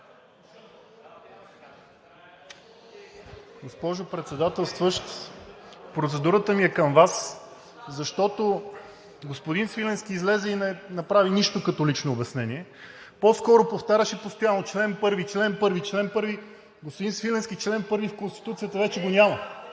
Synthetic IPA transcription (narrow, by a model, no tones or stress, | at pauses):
ɡospɔʒopɾɛt̪sɛd̪at̪ɛlˠst̪vəʃt̪ | pɾot̪sɛd̪uɾət̪əmiɛkɐmvas | zɐʃt̪ɔt̪o | ɡospod̪insvilɛnsk̟ʲiːzlɛzɛinɛnɐpɾaviniʃt̪okət̪olit͡ʃnoːbɛsnɛniɛ | poskɔɾopoft̪aɾʲəʃipost̪ojanot͡ʃlɛnpɤɾvit͡ʃlɛnpɤɾvit͡ʃlɛnpɤɾvi | ɡospʊd̪insvilɛnskʲit͡ʃlɛnpɤɾvifkonst̪i̥t̪ut̪sijət̪əvɛt͡ʃɛɡonʲamə